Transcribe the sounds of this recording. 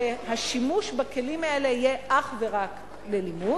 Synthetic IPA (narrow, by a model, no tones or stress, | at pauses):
haʃimuʃbake̞limaelehije̞ʔaχveʁak | lelimu